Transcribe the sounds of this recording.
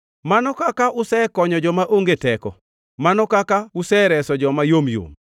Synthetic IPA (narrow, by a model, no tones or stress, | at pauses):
manɔkakaʔʊsɛkɔɲɔd͡ʒɔmaʔoŋɡetɛkɔ̰ | manɔkakaʊsɛɾɛsɔd͡ʒɔmajomjo̰m